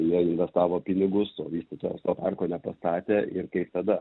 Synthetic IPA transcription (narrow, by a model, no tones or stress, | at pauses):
jiɛɪnʲʋʲɛst̪ɑːʋoːpʲɪnʲɪɡʊst̪oːʋʲiːsʲt̪ʲit̪oːjɛst̪oːpɑrkoːnʲɛpɐst̪ɑːt̪ʲeːʔɪrkɐɪpt̪ɐd̪ɐ